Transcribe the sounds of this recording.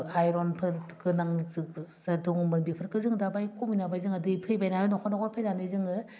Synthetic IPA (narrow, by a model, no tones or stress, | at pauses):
ajɾɔnpʰɯɾkɯnaŋzɯzaduŋmɯnbipʰɯɾkɯzɯŋdabajkuminabajzɯŋadɯpʰɯjbajnaɯnɔkʰɔnɔkɔpʰezanɯzɯŋɯ